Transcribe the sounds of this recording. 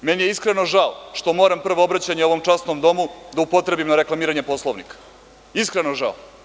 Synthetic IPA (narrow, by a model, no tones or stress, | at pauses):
menijeiskɾeno̞ʒaoʂt̪o̞mo̞ɾampr̩ʋoobɾat͡ɕaɲeo̞ʋo̞mt͡ʂasnomd̪o̞mud̪aupo̞t̪ɾe̞bimnaɾe̞klˠamiːɾaɲe̞po̞slˠoʋnikḁ | iskɾenoʒa̰o